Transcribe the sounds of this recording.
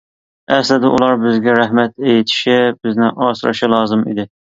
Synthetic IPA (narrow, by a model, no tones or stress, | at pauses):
ɛslɪd̪ɪʔulˠɑɾbɪzɡʲɛɾæhmɛt̪ejt̪ʰɪ̥ʃɪbɪznɪʔɑːsɨɾɨ̰ʃɑlˠɑːzɨmḭd̪ɪ